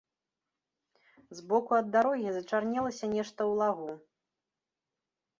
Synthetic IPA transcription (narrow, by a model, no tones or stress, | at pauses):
zbɔkuɐd̪ːaɾɔɣʲizɐt͡ʂarnʲɛlˠɐsʲɐnʲɛʂt̪ɐwlˠaɣu